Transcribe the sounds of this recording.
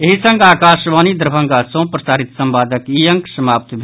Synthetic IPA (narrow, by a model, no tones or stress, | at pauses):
eɦisɐ̃ŋɡaːkaːʃʋaːnid̪əɾbʱɐ̃ŋɡaːsõːpɾɐsaːɾɪt̪sɐ̃mbaːd̪əkiːjɐ̃ŋksɐmaːp̚t̪bʱ